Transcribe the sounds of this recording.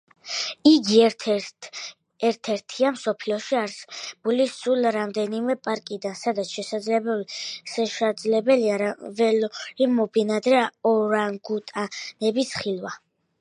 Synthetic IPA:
iɡi | ɛɾt̪ʰɛɾt̪ʰiamsɔpʰliɔʃiaɾsb̥ulisulɾamd̪ɛnimɛpʼaɾkʼid̪ansad̪at̪sʰʃɛsad̪zlɛbɛlʃɛʃad̪zlɛbɛliaavɛlimɔbinad̪ɾɛɔɾaŋɡut̪ʼanɛbisχilˠwa

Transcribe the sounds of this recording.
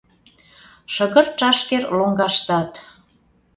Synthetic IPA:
ʃə̆ɣə̆rt͡ʃɑʃkerloŋɡɑʃt̪ɑt̪

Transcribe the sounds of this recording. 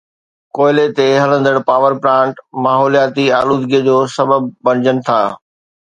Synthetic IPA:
koːɪlet̪eɦɐlə̃nd̪əɽ̃paːʋəɾpɾãːɳʈmaːɦɔːlijaːt̪iaːluːd̪ɡiəd͡ʑoːsɐbəb̚ːɐ̃ñɪd͡ʑənɪ̆t̪ʰaː

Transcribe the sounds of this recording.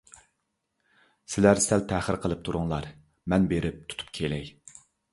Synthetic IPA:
sɪlæɾsælt̪ʰæχəɾqʰəlˠɨp̚t̪ʰuɾʊŋlˠɑɾ | mɛnbeɾɪp̚t̪ʰu̥t̪ʰu̥p̚kʲʰelɛj

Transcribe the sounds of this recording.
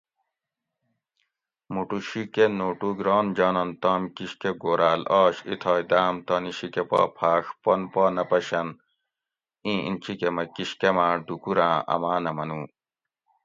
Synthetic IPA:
muʈuɕikenoːʈuːɡɾoːnd͡ʑaːnɐnt̪aːmkiɕkeɡoːɾaːlaːɕḭt̪ʰɐːjd̪aːmt̪ɐːniɕikepa̰ːpʰaːʂpɐnpaːnɐpɐɕɐn | ĩːḭnt͡ɕʰikemɐkiɕkemãːɖukuɾãːʔɐ̰maːnɐmɐnuː

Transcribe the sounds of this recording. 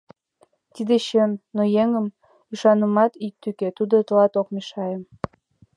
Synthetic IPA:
t̪id̪eɕønnːojeŋəm | yʃɑnəmɑt̪ik̚t̪yket̪ud̪ot̪əlɑt̪ok̚meʃɑjə̆m

